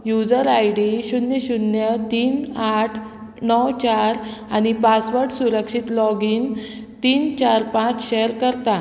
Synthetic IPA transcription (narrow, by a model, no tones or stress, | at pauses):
jud͡zəɾajɽiɕunjəɕunjət̪iːnaʈʰ | nɔwt͡ɕaɾañipasʋəɾʈsuɾəkʂit̪lɔɡiːn | t̪iːnt͡ɕaɾpãt͡sɕeɾkəɾt̪a